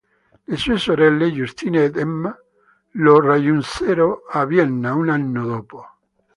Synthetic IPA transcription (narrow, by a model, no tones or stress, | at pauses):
lesuesoɾelːeʝust̪inet̪emːa | lorajunseɾoaβjenːaunanːoðopo